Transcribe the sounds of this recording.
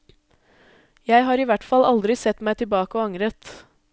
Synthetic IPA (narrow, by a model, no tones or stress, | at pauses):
jæɪɦɑːɾiːʋæʈfɑlɑld̪ɾɪsɛt̪mæɪt̪ɪlbɑːkəɔɑŋɾət̪